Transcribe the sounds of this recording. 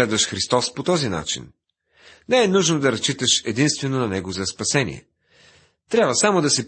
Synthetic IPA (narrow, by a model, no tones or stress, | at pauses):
ɛd̪vəʃxɾist̪ɔspot̪ɔzina̰t͡ʃḭn | nɛɛnuʒnod̪ɐɾɐst͡ʃit̪əʃɛd̪inst̪vɛnonɐnɛɡozɐspɐsɛnḭɛ̰ | t̪ɾʲjabvəsamod̪ɐsɛp